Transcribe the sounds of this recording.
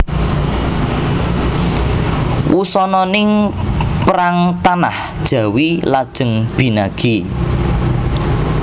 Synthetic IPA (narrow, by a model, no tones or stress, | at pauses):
wʔusɔnɔnɪŋpɾaŋt̪ana̰hd̥ʒ̥ä̤wilad̥ʒ̥ə̤ŋb̥i̤naɡ̥i